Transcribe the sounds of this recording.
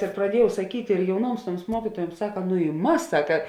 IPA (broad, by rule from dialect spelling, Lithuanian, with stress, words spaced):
ɪr prɐˈdʲiɛjɛʊ sɐˈkʲiːtʲ ɪr jɛʊˈnuɔms ˈtuɔms ˈmuɔkʲiːtuɔjuɔms ˈsɑːkɐ nʊ ɪ ˈmɐs ˈsɑːkɐ